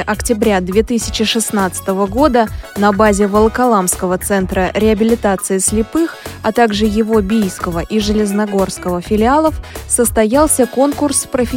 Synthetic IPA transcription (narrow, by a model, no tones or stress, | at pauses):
ʔɐktʲɪbɾʲad̪vʲet̪ɨsʲɪ̥t͡ɕɪʂɨsnat̪sɨ̥t̪əvəɡo̞d̪ənɐbazʲɪvəlˠəkɐlˠamskəvət̪sɛnt̪ɾəɾʲɪɐbʲɪlʲɪt̪at̪sɨɪsʲlʲɪpɨxɐt̪aɡʐɨjɪvo̞bʲijskəvəʔiʐɨlʲɪznɐɡo̞rskəvəfʲɪlʲɪalˠəfsəst̪ɐjalˠsʲəko̞nkʊrspɾəfʲɪ